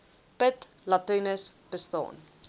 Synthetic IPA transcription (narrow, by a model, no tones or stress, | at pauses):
pət | lɐtənəsb̥əstɑ̰ːn